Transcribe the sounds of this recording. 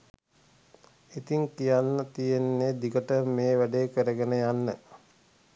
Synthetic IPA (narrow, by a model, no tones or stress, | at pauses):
it̪iŋkijanːət̪ijenːed̪ikəʈəmeːʋæɖeːkəɾəɡənəjanːə